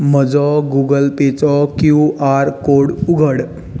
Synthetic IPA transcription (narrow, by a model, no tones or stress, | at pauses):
m̤əd͡zɔɡuɡəlpet͡sɔkjuʔaɾkoɽuɡʱəɽ